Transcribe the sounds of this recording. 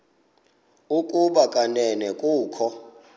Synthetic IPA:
ukʼuɓakʼanɛnɛkʼuːkʰɔ

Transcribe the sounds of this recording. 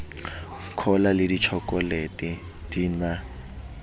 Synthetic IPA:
kʰɔlalɪdit͡ʃʰɔkʼɔletʼi | diːna

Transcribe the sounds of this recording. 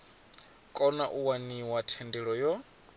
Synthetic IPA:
kʼɔnaʔuwaniwatʰɛndɛɺɔjɔ

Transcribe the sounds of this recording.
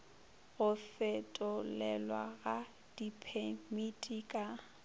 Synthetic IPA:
ɣʊfɛtʼʊlɛlwaɣa | d̥ipʰemitʼikʼa

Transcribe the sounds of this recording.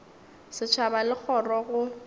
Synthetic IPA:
sɪt͡ʃʰabalɪk͡xʰɔrɔɣʊ

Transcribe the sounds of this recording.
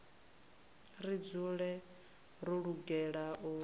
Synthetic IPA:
rid͡zuɺɛ | ɾuɺuɡɛɺaʔu

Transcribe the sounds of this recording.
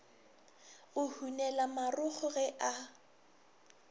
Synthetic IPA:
ʊhunɛlamarʊχʊɣɛʔa

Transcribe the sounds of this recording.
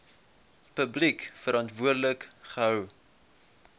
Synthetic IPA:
pəblikfəɾɑntvuərdələkχəɦəw

